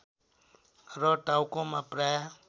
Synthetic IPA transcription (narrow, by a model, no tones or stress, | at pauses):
ɾɔʈawkõmãpɾaja